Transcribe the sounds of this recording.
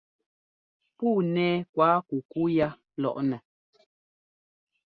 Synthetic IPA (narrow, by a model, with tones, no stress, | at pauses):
puː˦˨nɛː˦kwaː˨˦ku˨ku˦ja˦ | lɔ̰˦˨ʔnɛ˨